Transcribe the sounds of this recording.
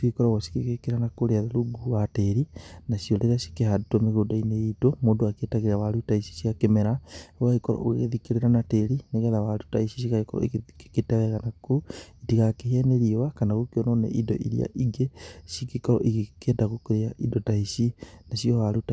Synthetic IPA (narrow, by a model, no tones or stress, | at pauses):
sikekɔɾɔɣɔʃi̥kekekeɾanakoɾeaðaɾuɡuwateɾinaʃiɔɾeɾasi̥kehadutomeɣodaineidomoːdoaketaɣeɾeawaɾutaiʃi̥ʃiakemɛɾaowaikɔɾɔ̰ʔoɣeɣeðikeɾeɾanateɾineɣɛðawaɾutaisiʃiɣaekɔɾɔ̰iɣeeketɛɣɛɣanakoitiɣakehɛneɾiwakanaɣokeɔnɔnḛʔidɔ̰ʔḭɾia̰ʔiɡeʃikekɔɾɔ̰ʔiɣekedaɣokeɾeaʔidotaisinaʃiɔwaɾuta